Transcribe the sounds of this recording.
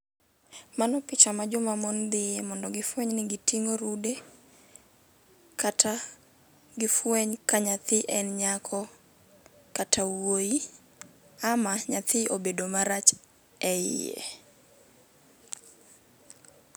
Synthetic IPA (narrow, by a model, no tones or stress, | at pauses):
manɔpɪt͡ʃamad͡ʒʊmamɔnd̪ɪjemɔndɔɡɪfweɲnɪɡɪtiŋoɾude | kata | ɡɪfweɲkaɲat̪ɪʔɛnɲakʰɔ | katʰawwoi | amaɲat̪ɪʔobedomaɾat͡ʃ | ɛɪ̰jḛ